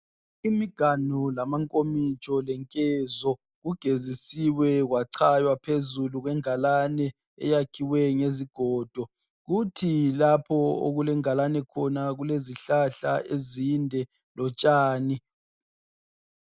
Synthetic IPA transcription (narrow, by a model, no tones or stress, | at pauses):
imiɡ̥ʱanulamaŋkʼomit͡ʃʼɔlɛŋkʼɛzɔ | ɣuɡ̥ʱezisiwɛɣwaǀʰajwapʰezuluɣwɛŋalanɛ | ɛ̰jakʰiwɛŋeziɡ̥ʱɔːd̥ʱɔ | ɣutʰilapʰɔo̰ɣulɛŋalanɛkʰɔnaɣuleziɬaɬa̰ʔezindʱɛ | lɔt͡ʃʼaːni